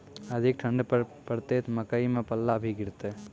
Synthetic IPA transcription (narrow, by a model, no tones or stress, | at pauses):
əd̪ʱɪk̚ʈʰə̃ɳɖpəɾpəɾt̪et̪ʰmɐkəimẽpɐlːabʱiɡɪɾt̪e